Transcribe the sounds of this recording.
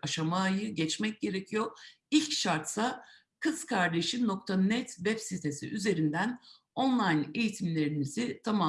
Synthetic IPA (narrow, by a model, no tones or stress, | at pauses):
aʃamaːjɯɟɛt͡ʃmɛc̚ɟe̞ɾe̞cʰijo | ilʲcʃaɾt̪sa | kʰɯz̥kʰaɾd̪e̞ʃino̞k̚t̪ʰanɛt̪vɛpsit̪ʰe̞sḭʔyze̞ɾind̪æn | o̞nlˠajne̞jit̪ʰimlʲe̞ɾinizit̪ʰama